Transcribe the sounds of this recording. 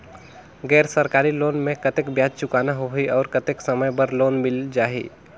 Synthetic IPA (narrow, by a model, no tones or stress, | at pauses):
ɡɛːɾsəɾkaɾilonmekət̪ekbjad͡ʒt͡ʃukanaɦoɦiɔːɾkət̪eksəməjbəɾlonmild͡ʒaɦḭ